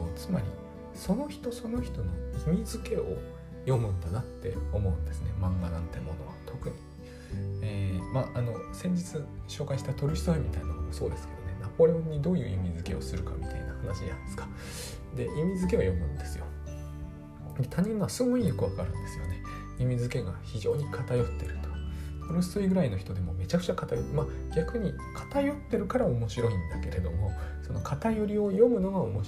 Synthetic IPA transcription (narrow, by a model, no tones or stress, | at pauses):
t͡sɨmaɾʲḭ | so̞no̞çi̥t̪o̞so̞no̞çi̥t̪o̞no̞imʲizɨke̞o̞̰ | jo̞mɯ̟̃nd̪anat̪ːe̞o̞mo̞ɯ̟̃nd̪e̞sɨne̞mãŋɡanãnt̪e̞mo̞no̞̰βa̰t̪ʰo̞kɯ̟ɲ̟i | eːmaːʔano̞sẽ̞ɲ̟d͡ʑit͡sɨɕo̞ːkaiɕi̥t̪at̪o̞ɾʲiɕi̥soimʲit̪ainanomosoːd̪e̞sɨ̥ke̞d̪o̞ne̞napo̞ɾʲe̞õ̞ɲ̟ːid̪o̞ːjɯ̰ːimʲizɨke̞o̞̰sɨɾɯ̟ka̰mʲit̪ainahanaɕiɲa̰sɨ̥kḁ | d̪e̞jimʲizɨk̬e̞βa̰jo̞mɯ̟̰̃nd̪e̞sɨjo̞̰ | d̪et̪ʰaɲ̟ːĩnːoasɨɡoijokɯ̟βakɯaɾɯ̟̃nd̪e̞sɨjo̞̰ne̞ | imʲizɨke̞ɡaçiʑo̞ːɲ̟ikʰat̪ajo̞t̪ːe̞ɾɯ̟t̪o | kono̥st͡sɨiɡɯ̟ɾaino̞çi̥t̪o̞d̪e̞mo̞me̞t͡ɕakɯ̥t͡ɕakat̪ajoma | ɡʲakɯ̟ɲ̟i | kʰḁt̪ajo̞t̪ːe̞ɾɯ̟kaɾao̞mo̞ɕiɾo̞ĩnd̪ake̞ɾe̞d̪o̞mo̞so̞no̞kʰat̪ajo̞ɾʲio̞jo̞mɯ̟no̞ɡaomo